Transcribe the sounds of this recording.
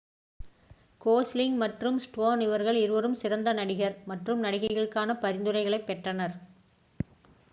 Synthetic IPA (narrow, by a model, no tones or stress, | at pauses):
koːslɪŋmɐʈrɯmsʈoːnɪʋɐɾɣɐɭɪɾɯʋɐɾɯmsɪɾɐnd̪ɐnɐɽɪɣɐɾmɐʈrɯmnɐɽɪɣɐɪɣɐɭɯkːaːnɐpɐɾɪnd̪ɯrɐɪɣɐɭɐɪpːɛʈrɐnɐɾ